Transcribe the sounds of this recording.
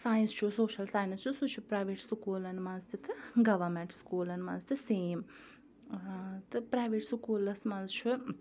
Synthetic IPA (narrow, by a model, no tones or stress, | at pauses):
saːj̃nst͡ʃʰusoːʃɐlsaːjnɐst͡ʃʰusut͡ʃʰupɾaːjʋeʈsukuːlɐnmɐnzt̪ʰit̪ʰɨɡɐʋɐmeɳʈskuːlɐnmɐnzt̪ʰiseːm | t̪ɨpɾaːjʋeʈsukuːlɐsmɐnzt͡ʃʰu